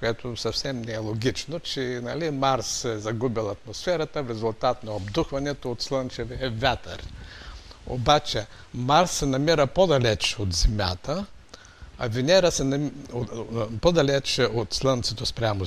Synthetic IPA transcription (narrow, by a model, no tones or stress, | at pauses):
koɛt̪ʰosɐfsɛmnɛːlˠoɡʲit͡ʃnot͡ʃɛnɐlimaɾssɛzɐɡubilˠɐt̪mosfɛɾɐt̪əfɾɛzʊlˠt̪at̪nɐobd̪uxvɐnɛt̪oot̪slˠənt͡ʃɛviɛvʲjat̪ə̰ɾ | o̰bat͡ʃɛ | maɾsːɛnɐmiɾəpod̪ɐlɛt͡ʃot̪zɛmʲja̰t̪ə | ɐ̰vʲinɛɾəsɛnɐ | pod̪ɐlɛt͡ʃɛot̪slˠənt̪sɛt̪ospɾʲamo